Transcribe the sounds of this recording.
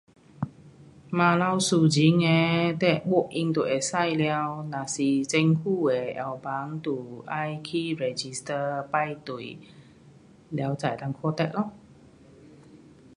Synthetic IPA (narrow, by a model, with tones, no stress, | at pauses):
mã˧la˧wsu˧d͡ʒi˨˦ŋɛ˧t̪ɛ˧˩ʔɓo˧˨ʔ̚ʔi˧ŋt̪u˨ʔɛ˧˨˩sa˥˧˨jlɛ˧˦wna˨si˧t͡se˧ŋku˥˧˨wɛ˨˩ʔɛ˧˩wba˨˧˦ŋt̪u˨˩ʔa˧jkʰi˧˥ɹɛ˧d͡ʒi˧st̪ə˧pa˧˨jt̪u˨˩˨j | lɛ˧˦wt͡sa̰˨jt̪a˧ŋkʰɔ˧t̪ɛ˧˨ʔ̚lɔ˧˨